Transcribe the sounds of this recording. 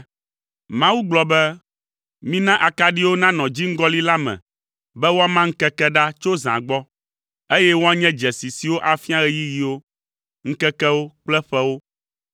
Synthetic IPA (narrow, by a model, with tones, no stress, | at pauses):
mã˦wu˦ɡ͡blɔ˨bɛ˦ | mĩ˦nã˦ʔa˨ka˦ɖi˦wo˦nã˦nɔ̃˨d͡ʑi˦ŋ̩˦ɡɔ˦li˦la˦mɛ̰̃˨ | bɛ˦wo˦a˦mã˦ŋ̩˦kɛ˦kɛ˦ɖa˦t͡ʃo˦zã̰˨ɡ͡bɔ˦ | e˦jɛ˦wo˦a˦ɲɛ̃˦d͡ʒɛ˨si˨si˨wo˦ʔa˨fi˦a˦ɣɛ˦ji˦ji˨wo˦ | ŋ̩˦kɛ˦kɛ˦wo˦k͡plɛ˦ɸɛ˦wo˦